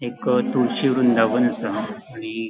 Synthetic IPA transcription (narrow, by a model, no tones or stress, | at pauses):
ekt̪uɾɕiʋəɾuːnd̪aʋənsəɽi